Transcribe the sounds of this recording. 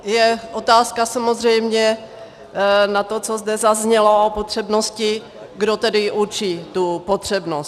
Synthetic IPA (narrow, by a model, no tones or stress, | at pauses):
jɛʔot̪aːskasamozr̝ɛjmɲɛ | nat̪ot͡sozdɛzazɲɛlo̞opot̪r̝̥ɛbnoscɪ | ɡdot̪ɛdɪʔut͡ʃiːt̪upot̪r̝̥ɛbnost̪